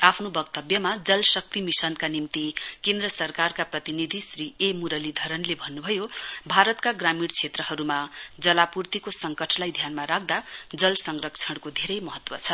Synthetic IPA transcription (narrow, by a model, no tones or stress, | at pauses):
apʰnobʌkt̪ʌbjʌmad͡zʌlsʌk̚t̪imisʌnkanimt̪ikend̪ɾʌsʌrkarkaprʌt̪inid̪ʱisriemuɾʌlid̪ʱʌɾʌnlebʱʌnːubʱʌjobʱaɾʌt̪kaɡramiɽt͡sʰet̪rʌɦʌɾumad͡zʌlapurt̪ikosʌŋkʌʈʰlajd̪ʱjanmaɾak̚ʰd̪ad͡zʌlsʌŋrɾʌkt͡sʰʌɽkod̪ʱeɾʌjmʌɦʌt̪wʌt͡sʰʌ